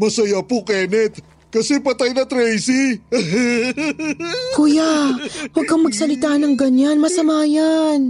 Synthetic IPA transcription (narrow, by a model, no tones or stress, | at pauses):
mɐsɐjapokɛːnɛt̪̚ | kɐsɛpɐt̪ɐjnɐt̪ɾɛjsi | kujawɐɡ̚kɐŋmɐɡsɐlɪt̪aːnɐŋɡɐɲanmɐsɐmaːjan